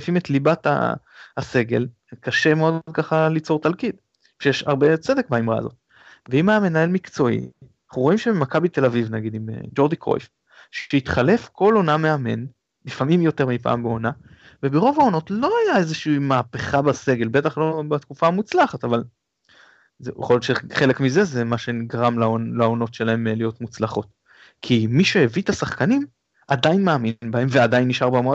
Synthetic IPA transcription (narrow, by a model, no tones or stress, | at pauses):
fimet̪libat̪a̰ːse̞ɡe̞̰l | kaʃe̞meo̞dd̪̚kaχalit͡so̞ʁt̪alkid̪ | ʃejeʃa̰ʁbe̞t͡se̞d̪e̞k̚baimʁa̰a̰zo̞̰t̪ | veimame̞nae̞lmikt͡so̞ḭ | χuʁo̞imʃemakabit̪e̞lavivnaɡid̪imḛd͡ʒo̞d̪iko̰jf | ʃeit̪χalefko̞loname̞ame̞̰n | lifamimjo̞te̞ʁmipa̰ːmbeo̞na | vebeʁo̞vao̞no̞tlo̞ajaezeʃiːmaːpeχabase̞ɡe̞lbe̞taχlo̞bat̪kufaamut͡slaχataval | zj̰χoloʃeχe̞lekmize̞zemaʃe̞ɡaʁamlaolaono̞tʃe̞lae̞mlijo̞tmut͡slaχo̞t | kʰimiʃeevit̪asaχkanim | adainmaːminbahe̞mvead̪ajinːiʃaʁbama